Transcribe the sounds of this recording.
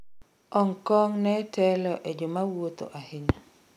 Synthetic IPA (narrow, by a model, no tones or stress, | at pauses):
ɔŋkɔŋnɛtɛlɔʔed͡ʒomawot̪o̰ʔahɪɲa